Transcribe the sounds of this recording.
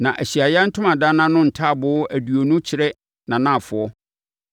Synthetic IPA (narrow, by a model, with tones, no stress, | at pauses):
nã˨ʔæ˨ɕi˨a˨jɛ˦n̩˦tʰʊ̃˦mã˨da˦nã˦nʊ̃˦n̩˨tʰa˦˨bʊ˦ʔæ˨du˨o˨nʊ̃˦t͡ɕʰɪ˨ɾɛ˦ | nã˨nã˦˨fʊ˨ɔ˦